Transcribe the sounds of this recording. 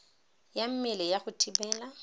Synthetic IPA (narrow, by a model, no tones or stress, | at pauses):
jam̩mɪlɛjaχʊtʰʼibɛːla